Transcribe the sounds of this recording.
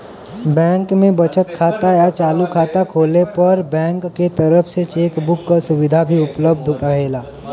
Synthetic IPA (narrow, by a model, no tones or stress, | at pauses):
bɛ̃ːŋkmẽbɐt͡ʃət̪kʰaːt̪ajat͡ʃaːlukʰaːt̪akʰoːlepɐɾbɛ̃ːŋkːet̪ɐɾəfʰset͡ʃeːkbʊkːasʊʋɪd̪ʱabʱiʊpləb̚d̪ʱɾɐɦeːlaː